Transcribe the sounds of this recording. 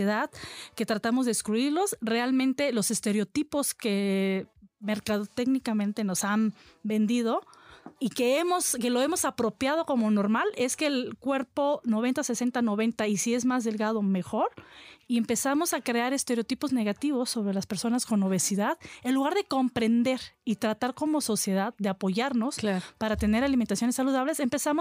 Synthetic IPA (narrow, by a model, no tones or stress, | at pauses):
eðaðke̞t̪ɾat̪amozðeːskɾuiɾlo̞sre̞almẽnt̪e̞lo̞se̞st̪e̞ɾeot̪ipo̞ske̞ | me̞ɾkaðot̪eɣnikamẽnt̪e̞no̞sanbe̞nd̪ið̞o̞ikeemo̞ske̞lo̞e̞mo̞sapɾo̞pjað̞o̞ko̞mo̞no̞ɾmale̞ske̞ːlkwe̞ɾpo̞no̞βe̞nt̪ase̞se̞nt̪ano̞βe̞nt̪aisie̞zmazðe̞lɣað̞o̞me̞xo̞ɾie̞mpe̞samo̞sakɾe̞aɾe̞st̪e̞ɾejot̪ipo̞zne̞ɣat̪iβo̞sːo̞βɾe̞laspeɾso̞nasko̞no̞βe̞siðaðe̞nluɣaɾðe̞ko̞mpɾe̞nd̪e̞ɾit̪ɾat̪aɾko̞mo̞so̞sje̞ðaðːeapo̞ʝaɾno̞spaɾat̪e̞ne̞ɾalimẽnt̪asjonesːaluð̞aβle̞se̞mpe̞samo